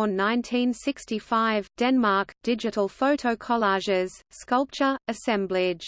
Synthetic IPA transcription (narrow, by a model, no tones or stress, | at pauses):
ə̃nːãɪ̃ntʰĩnsɪkstifaɪvd̥ɛ̃nmɑˑkd̥ɪd͡ʒɨɾəl̩ˠfəʊɾʰəʊkʰəlɑʒɪz̥skʌlˠp̚t͡ʃə˞əsɛ̃mblɪ̥ʒ̥